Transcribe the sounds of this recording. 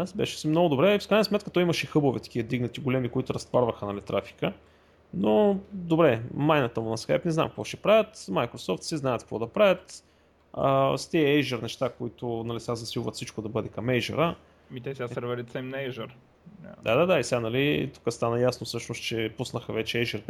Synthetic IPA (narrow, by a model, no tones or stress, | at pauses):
asbɛ̰ʃɛ̥sɛmnoɡʊd̪obɾɛfkɾajnəsmɛt̪kət̪ɔjimɐʃɛixɤbovɛt̪ɐ̥k̟ʲiəd̪iɡnɐt̪iɡolɛmikoit̪ʊɾɐst̪vaɾvəxənɐlit̪ɾʔafi̥kə | nod̪obɾɛmajnɐt̪əmʊnɐskajpnɛzna̰mkəkvɔʃɛpɾavʲət̪majkɾosɔft̪siznajət̪kəvɔd̪ɐpɾavʲət̪ | ə̰st̪iəɛjʒəɾnɛʃt̪akoit̪ʊnɐlisɛazɐsilˠvət̪fsit͡ʃkʊd̪ɐbɤd̪ɛkɐmɛjʒə̰ɾə | mit̪ɛsʲasɛɾvɛɾit̪sɛmnɛʒəɾ | d̪ad̪ad̪aisʲanɐlit̪u̥kəst̪anɐjasnofsɤʃnost̪t͡ʃɛpusnəxəvɛt͡ʃɛɛʒəɾ